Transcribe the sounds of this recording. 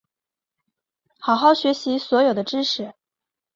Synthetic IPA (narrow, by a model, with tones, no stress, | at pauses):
xɑ˨˩ʊxɑ˥˩ʊɕɥɛ˧˥ɕi˧˥swɔ˧˥jo˨˩ʊd̪ə˦ʈ͡ʂɻ̩˥ʂɻ̩˧˩˥